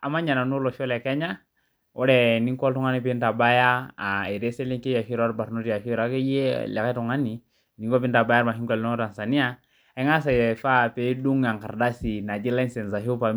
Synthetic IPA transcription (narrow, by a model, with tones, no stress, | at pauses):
a˨ma˦ɲa˨na˨nu˦lɔ˨ʃɔ˦lɛ˨kɛ˦ɲa˦ | ɔ˦ɾɛ˨ni˦kɔ˦ltu˦ŋa˦ni˦pi˦nta˨ba˦ja˦˨e˨ɾe˦sɛ˦li˦ŋke˦ja˨ʃi˦ɾa˦ɾba˨ɾnu˦tja˨ʃi˦ɾa˨˦kɛ˦je˦lɛ˨ka˦tu˨ŋa˦ni˨ | ni˨ŋɡɔ˦pi˦n˦ta˨ba˦ja˦ɾma˨ɦi˦ŋɡɔ˨lɔ˦ta˨nsa˨ni˦a˨ | ɛ˦ŋa˦s̬a˨jɛ˨fa˦pe˨i˦du˦ŋa˨ŋka˨ɾda˦si˨na˨d͡ʒi˦la˦nsɛ˨nza˨ɦi˦pa˨